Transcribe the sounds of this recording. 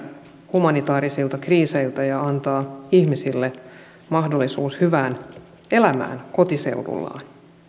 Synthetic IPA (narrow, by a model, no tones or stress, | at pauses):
humɑnit̪ɑːɾisilt̪ɑkriːse̞jlt̪æjɑɑnt̪ɑːiçmisilːe | mɑhdo̞lːisuːshyʋæːn | e̞læmæ̰ːnkot̪ise̞̰uwdṵlːɑ̰ːn